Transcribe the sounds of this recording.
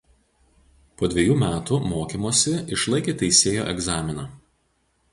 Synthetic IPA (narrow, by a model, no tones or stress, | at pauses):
poːd̪ʲʋʲɛjuːmʲæːt̪umoːkʲimoːsʲɪɪʃlˠɐɪkʲeːt̪ʲɛɪsʲeːjo̰ːʔɛɡzɑːmʲɪnɑː